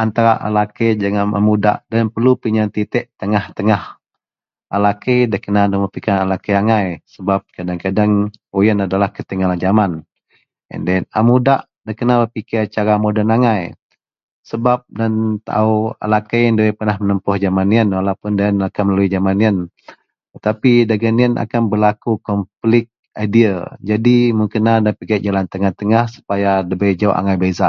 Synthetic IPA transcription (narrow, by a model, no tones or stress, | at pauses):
ant̪aɾaʔa̰laked͡ʒaŋaʔa̰muda̰ʔdanpərlupiɲant̪it̪ɛʔt̪əŋaht̪əŋah | alakedahkənadaməpikanalakəaŋajsəbap̚kadaŋkadaŋojənadalahkət̪əŋalad͡ʒaman | jə̰ndana̰mudaʔ | dahkənabəpikɪt͡ʃaɾamodənaŋaj | səbap̚dant̪a̰ua̰lakajəndəwapənahmənəmpʊhd͡ʒamaniənwalapʊndaanakanməlaluid͡ʒamaniən | t̪ət̪apidaɡaniənʔa̰kanbəlakukɔmplɪk̚ | ajdiad͡ʒadimuŋkənadapiɡat̪̚d͡ʒalant̪əŋaht̪əŋahsu̥pajadəbəjd͡ʒaṵʔa̰ŋajbezaʔ